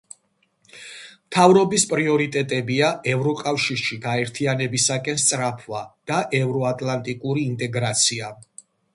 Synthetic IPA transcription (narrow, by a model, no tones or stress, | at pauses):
mt̪ʰavɾɔbispʼɾiɔɾit̪ʼɛt̪ʼɛbiaʔɛvɾɔkʼafʃiɾʃiɡaɛɾt̪ʰianɛbisakʼɛnst̪sʼɾapʰvad̪̥aʔɛvɾɔat̪ʼlˠant̪ʼikʼuɾiːnt̪ʼɛɡɾat̪sʰia